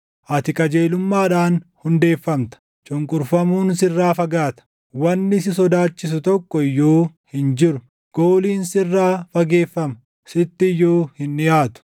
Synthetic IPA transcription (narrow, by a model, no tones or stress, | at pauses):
ʔɐt̪ɪkʼɐd͡ʒeːlʊmːaːᶑaːnhʊnd̪e̞ːfːɐmt̪ɐ̥ | t͡ʃʼʊŋkʼʊɾfɐmuːnsɪrːaːfɐɡaːt̪ɐ̥ | wɐnːɪs̬ɪs̬ɔd̪aːt͡ʃːɪs̬ʊt̪ɔkːɔɪjːoːhɪnd͡ʒɪɾʊ | ɡ̥oːliːnsɪrːaːfɐɡe̞ːfːɐmɐ | sɪt̪ːɪjːoːhɪnːɪjaːt̪ʊ̥